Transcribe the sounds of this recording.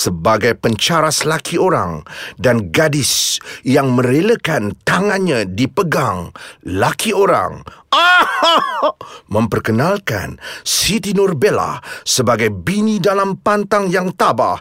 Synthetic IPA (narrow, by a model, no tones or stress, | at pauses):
səbaɡajpəɲt͡ʃaɾaslakʰioɾa̰ŋdanɡadɪsjaŋmə̃ɾeləkant̪aŋanɲadipəɡaŋlakʰioɾa̰ŋa | mə̃mpərkənalka̰nsit̪inurbela̰səbaɡajbinidalampant̪aŋjaŋt̪aba̰h